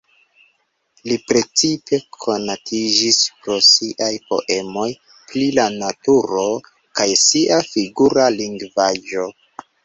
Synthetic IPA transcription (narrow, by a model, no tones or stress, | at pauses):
lipɾe̞t͡sipe̞kʰo̞natʰid͡ʒispɾo̞siʔajpo̞̰ʔe̞mo̞j | plilanatuɾo̞ | kajsiʔafiɡuɾaliŋɡvaʒo̞